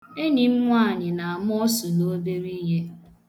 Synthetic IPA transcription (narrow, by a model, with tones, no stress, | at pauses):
e˦ni˨m̩˦ŋʷ˦a˦˨ɲɪ˨na˨a˨m˦ɔ˦sʊ˨no˦be˦ɾi˦ɦe˦